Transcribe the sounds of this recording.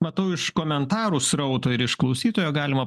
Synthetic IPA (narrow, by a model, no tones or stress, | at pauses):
mɐt̪ɐʊɪʃkoːmʲɛnt̪ɑːɾuːsɾɐʊt̪oːɪɾɪʃklˠɐʊsʲiːt̪oːjoːɡɑːlʲɪmɐ